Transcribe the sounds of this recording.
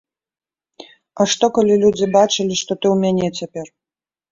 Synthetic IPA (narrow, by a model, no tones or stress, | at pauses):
ɐʂt̪ɔkɐlʲilʲud͡zʲibat͡ʂɨlʲiʂt̪ɔt̪ɨwmʲanʲɛt͡sʲapʲɛr